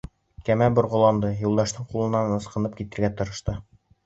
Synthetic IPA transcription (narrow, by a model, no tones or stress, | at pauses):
kæmæbŏɾʁŏlˠɑmd̪ɤjulˠd̪ɑʃt̪ɤɴqulˠɤ̆nːɑnɤ̆sqɤ̆nɤpkit̪ɘ̆ɾɡæt̪ɤ̆ɾɤ̆ʃt̪ɤ